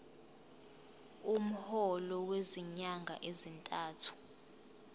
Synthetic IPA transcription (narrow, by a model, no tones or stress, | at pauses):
um̩hɔlɔweziɲaŋɡʱa̰ʔezintʼaːtʰu̥